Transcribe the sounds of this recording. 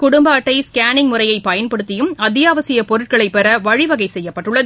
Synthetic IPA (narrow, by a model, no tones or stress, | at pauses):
kʊɽʊmbɐːʈːɐɪskaːnɪŋmʊrɐjɐɪpɐjɐnpɐɽɯt̪ːɪjɯmɐd̪ɪjaːʋɐsɪjɐpɔɾɯʈ̚kɐɭɐɪpːɛɾɐʋɐɻɪʋɐɣɐɪsɛjːɐpːɐʈːɯɭːɐðɯ